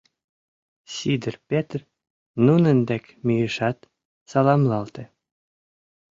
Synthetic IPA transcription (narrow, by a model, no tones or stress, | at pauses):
sʲid̪ərpʲet̪r | nunənd̪æk | mʲijɘʃɑt̪ | sɑlˠɑmlˠɑlˠt̪e